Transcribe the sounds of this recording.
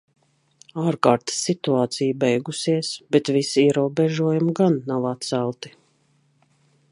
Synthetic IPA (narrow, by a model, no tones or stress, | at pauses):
aːɾkaːɾt̪sːit̪uaːt̪sijbɛjɡusiɛsbɛt̪visiɛɾuɔbɛʒuɔjumɡanːawat̪̚sælˠt̪i̥